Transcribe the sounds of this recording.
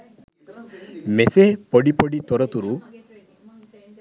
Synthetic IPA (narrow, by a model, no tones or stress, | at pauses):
mesepɔɖipɔɖit̪ɔɾɔt̪uɾu